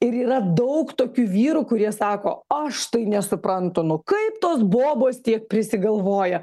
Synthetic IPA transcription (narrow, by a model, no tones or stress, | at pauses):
ɪɾiːɾɐd̪ɐʊkt̪oːkʲuːʋʲiːɾuːkʊɾʲiɛsɑːko̰ːɐʃt̪ɐɪnʲɛsʊpɾɐnt̪ʊnʊkɐɪpt̪oːsboːboːst̪ʲiɛk̚pʲɾʲɪsʲɪɡɐlˠʋoːjɛ